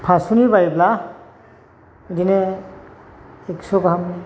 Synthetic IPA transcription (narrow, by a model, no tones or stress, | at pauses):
pʰasunibaɹibla | idinɛ | eksɔkaɦamni